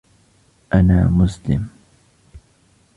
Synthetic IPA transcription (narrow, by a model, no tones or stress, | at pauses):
ʔanaːmʊslɪ̰m